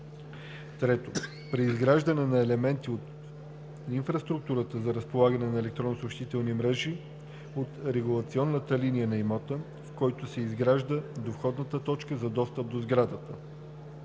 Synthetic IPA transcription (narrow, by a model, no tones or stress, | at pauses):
t̪ɾɛt̪o | pɾiːzɡɾaʒd̪ɐnɛnɐɛlɛmɛnt̪iot̪ | iɱfɾɐst̪ɾuk̚t̪uɾət̪əzɐɾəspolˠaɡənɛnɐɛlɛk̚t̪ɾonːosopʃt̪it̪ɛlˠnimɾɛʒi | ot̪ɾɛɡulˠɐt̪siɔnːət̪əlinijənɐimɔt̪ə | fkɔjt̪ʊsɛizɡɾaʒd̪əd̪ofxɔd̪nət̪ət̪ɔt͡ʃkəzɐd̪ɔst̪əp̚d̪ozɡɾad̪ət̪ə